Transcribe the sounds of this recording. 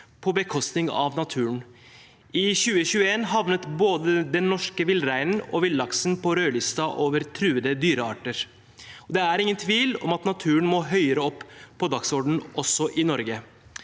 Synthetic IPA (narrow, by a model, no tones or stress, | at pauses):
pʰɔbəkʰɔst̪nɪŋɑ̰ʋnɑt̪ʰʉːəɳ | ɪçʉːəçʉːəeːnɦɑʋnət̪boːd̪əd̪ɛnːɔʂkəʋɪlɾæɪnnɔ̰ʋɪlːɑksn̩pʰɔɾøːlɪst̪ɑʔoːʋəɾt̪ʰɾʉːəd̪əd̪yːɾəɑːʈəɾ | ɔd̪ɛæɾɪŋːənt̪ʰʋiːlɔ̰mɑt̪nɑt̪ʰʉːəɳmɔɦœʏəɾəɔpːpʰːɔd̪ɑɡsɔɖɳ̩ɔsɔʔɪnɔɾɡə